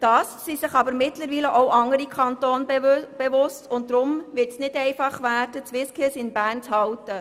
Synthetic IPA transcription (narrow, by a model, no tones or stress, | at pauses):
d̥ɑːsːisɪχɑbəɾmɪtləɾʋiːləʔowʔɑŋəɾikʰɑntoːnb̥eʋʊstʊnt̚dɾʊmvɪtsnɪdɛɪfɑχʋæːɾd̥ət͡sʋɪskʰisɪnbæːrnt͡shɑwtə